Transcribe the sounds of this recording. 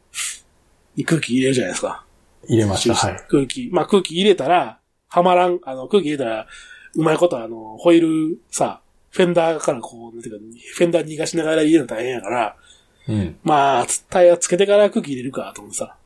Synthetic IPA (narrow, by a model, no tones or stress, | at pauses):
ɲikɯ̟ːkʲiːɾe̞ɾɯ̟ʑanajd̪esɨ̥ka̰ | iɾemasɕikɯːkʲimaːkɯ̟ːkʲiːɾe̞t̪aɾa | hamaɾãŋano̞kɯ̟ːkʲiɾe̞t̪aɾaɯ̟maiko̞t̪o̞ano̞ho̞iɾɯ̟sa̰ | ɸẽ̞nd̪aːkaɾakʰo̞ːnãnt̪eɯ̟kaɸẽ̞nd̪aːɲʲiɡaɕinaɣaɾaiɾenot̪aihẽjakaɾa | maːt͡st̪aiβat͡sɨ̥ke̞t̪e̞kaɾakɯ̟ːkʲiːɾe̞ɾɯ̟kat̪omot̪ːesa